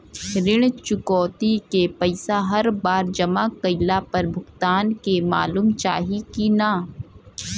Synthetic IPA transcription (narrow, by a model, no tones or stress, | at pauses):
ɾɪɽ̃t͡ʃʊkɔːt̪ikepɐɪsaɦɐɾbaːɾd͡ʒɐmakɐɪlapɐɾbʱʊɡt̪aːnkema̰ːluːmt͡ʃa̰ːɦikinaː